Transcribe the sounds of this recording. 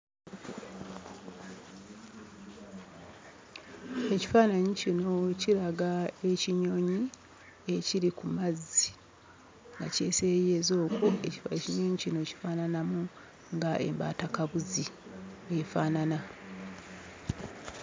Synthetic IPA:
e̞ci̥faːnaɲicino̞ciɾaɡae̞ciɲo̞ːɲi | e̞ciɾikumazːi | ŋɡa̰ce̞̰ːsejeːzo̞ːkʰoḛcifeciɲoːɲicino̞ci̥faːnanamu | ŋɡaʔe̞̰mba̰ːtakaβuzie̞faːnana

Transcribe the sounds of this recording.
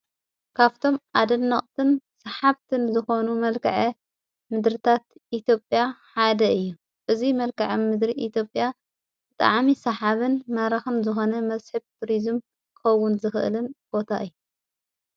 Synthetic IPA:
kʰaβt̪ʰo̞mʔad̪ɐnːɐχʼt̪ʰɨnsɐħaβt̪ʰɨnzɨxo̞numɐlkʰɐʕɐ | mɨd̪ɾɨt̪ʰat̪ʔit̪ʰjo̞pʼjaħad̪ɐɨjːu | ʔɨzimɐlkʰɐʕɐmɨd̪ɾiʔit̪jo̞pʼja | bɨt̪ʼa̰ʕmisɐħaβɨnmɐɾɐxɨnzɨxo̞nɐmɐzħɨb̚t̪ʰuɾizɨm | kɨxɐwːʊnzɨxɨʔɨ̰lɨnb̥o̞t̪ʰa̰ʔɨjːu

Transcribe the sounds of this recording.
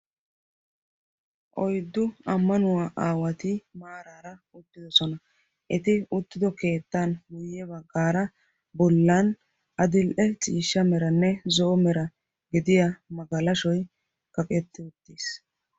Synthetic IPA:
ʔɔjd̪ːʊɐmːɐnʊwaːʔaːwɐt̪imaːɾaːɾɐʊt̪ːɪd̪ɔsɔnɐ | ʔɛt̪ɪʊt̪ːɪd̪ɔke̞ːt̪ːanɡʊjɛbɐɡːaːɾɐ | bɔlːɐn | ɐd̪ɪlʔɛt͡sʼiːʃːɐmɛɾɐnːɛzɔːmɛɾɐ | ɡɪd̪ɪjɐmɐɡɐlɐʃɔj | kɐkʼɛt̪ːɪʊt̪ːiːs

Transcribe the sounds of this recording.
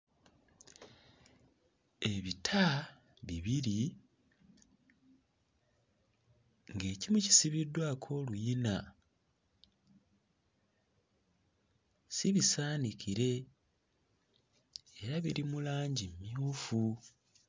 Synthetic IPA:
e̞βitʰa | βiβiɾi | ŋɡe̞ːcimuci̥siβidwaːkʰo̞ːlujina | siβisaːnicʰiɾe̞ | eɾaβiɾimulaːɲɟimːiuːfu

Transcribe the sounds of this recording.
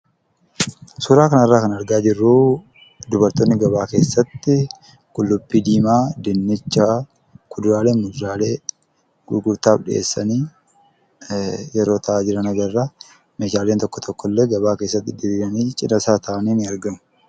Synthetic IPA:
suːɾaːkɐnɐrːaːkɐnɐɾɡaːd͡ʒɪrːuː | d̪ʊbɐɾt̪oːnːɪɡɐβaːke̞ːsːɐt̪ːɪ | kʼʊlːʊbːiːd̪iːmaːd̪ɪnːɪt͡ʃːa | kʰʊd̪ʊɾaːleːnmʊd̪ɾaːleː | ɡʊɡʊɾt̪aːfᶑɪḛːsːɐniː | jɛɾo̞ːt̪ʰɐʔaːd͡ʒɪɾɐnɐɡɐrːaː | meːʃaːle̞ːnt̪ɔkːɔ̥t̪ʰɔkːɔlːeɡɐbaːke̞ːsːɐt̪ːɪd̪ɪɾiːɡɐniːt͡ʃʼɪnɐsaːt̪ʰɐʔɐniːnɪɐɾɡɐmʊ̥

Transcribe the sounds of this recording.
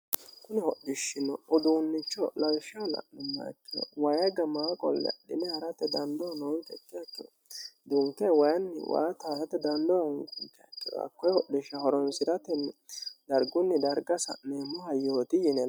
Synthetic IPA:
kʊnɛhɔɗɪʃːɪnɔɔd̪uːnːɪt͡ʃːɔlɐwʃɪɔlɐ̰ʔnɛma̰kːɛ̰wɐjɐɡɐmaːkʼɔ̰lːɛ̰ɗɪnɛhɐɾɐt̪ːɛd̪ɐnd̪ɔnɔŋkʼɛkːɪjɐkːɪd̪ɔ | d̪uŋkɛwɐjɐnːɪ̰wa̰jɐt̪aːsɐt̪ːɛd̪ɐnd̪ɔhʊŋkɪŋkːɛɐkːɪd̪ɔ̰ɐ̰kːɔjhɔɗɪʃɐhɔɾɔnsɪɾɐt̪ɛnːd̪ɐɾɡʊnːɪd̪ɐɾɡɐsɐ̰nemːɔhɐjoːt̪ɪjɪnɛ

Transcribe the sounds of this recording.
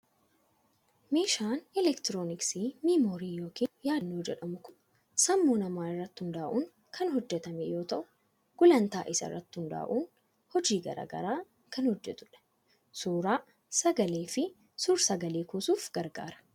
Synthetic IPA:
me̞ːʃaːnɪlɛkt̪ɪɾoːnɪksiːmimoːɾiːjo̞ːkiːnjaːdnːoːd͡ʒɛᶑɐmʊkʊ | sɐmːuːnɐmaːɪrːɐt̪ːhʊnd̪aːʔuːn | kʰɐnɦɔd͡ʒːɛt̪ɐmɛjo̞ːt̪ɐʔʊ̥ | ɡ̥ʊlɐnt̪aːʔɪsɐ̰ɪ̰rːɐt̪ːɪhʊnd̪a̰ːʔuːn | hɔd͡ʒiːɡɐ̰ɾa̰ːɡɐ̰ɾaː | kɐnhɔd͡ʒːɛt̪ʊᶑɐ̥ | suːɾaː | sɐɡɐleːfɪ | suːɾsɐɡɐleːkuːsuːfɡ̥ɐɾɡa̰ːɾɐ̥

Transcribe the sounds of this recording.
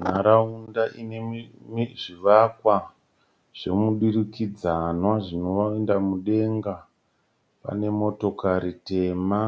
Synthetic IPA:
n̤aɾaundaʔinemiʐiʋakwa | ʐ̥e̞muɗirikid͡zanwaʐino̞ʋaendamuɗe̞ŋɡa | pa̰ne̞mo̞to̞kaɾite̞ma

